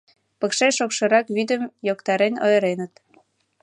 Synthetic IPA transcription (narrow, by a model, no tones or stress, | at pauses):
pə̆kʃeʃokʃɤ̆ɾɑkβyd̪əmjokt̪ɑɾeno̰jɾenət̪